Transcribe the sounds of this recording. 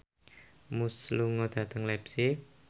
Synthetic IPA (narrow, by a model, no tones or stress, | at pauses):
musluŋɔd̪̥ä̤t̪əŋlɛpsɪk̚